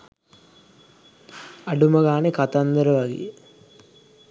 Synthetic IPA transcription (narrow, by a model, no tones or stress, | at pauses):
aɖuməɡaːnekat̪and̪əɾəʋaɡḛjə